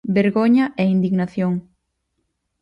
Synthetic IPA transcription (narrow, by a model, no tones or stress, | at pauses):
beɾɣoɲɐʔɛind̪iɣnaθjoŋ